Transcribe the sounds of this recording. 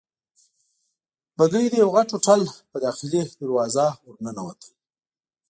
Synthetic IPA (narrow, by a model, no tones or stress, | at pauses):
baɡəjd̪əjawɣaʈoʈalpəd̪ɑxɪled̪aɾwɑzawʊɾnənawat̪ʰə̥i